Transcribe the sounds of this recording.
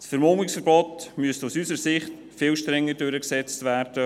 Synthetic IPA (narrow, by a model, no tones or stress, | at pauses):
sfəɾmoːmɪksfəɾbɔtmyəstusysəɾsɪχt | fɪːlʃtɾɛŋːədøɾəksɛt͡stvæːrd̥ə